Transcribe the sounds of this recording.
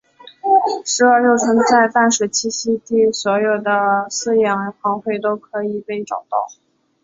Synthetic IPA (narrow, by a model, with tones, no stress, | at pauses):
ʂɻ̩˧˥ə˞˥˧jo˥˩ʊt͡sʰə˧˥ŋt͡sa˥˧ɪt̪a˥˩nʂwe˨˩ɪt͡ɕʰi˥˩ɕi˥t̪i˥˩swɔ˧˥jo˨˩ʊd̪ə˦sɹ̩˥˧jɛ˨˥˩n˧˥xʰɑ˧˥ŋxwe˥˩ɪt̪o˥ʊkʰɤ˧˥i˨˩pe˥˩ɪʈ͡ʂɑ˨˩ʊt̪ɑ̰˥˩ʊ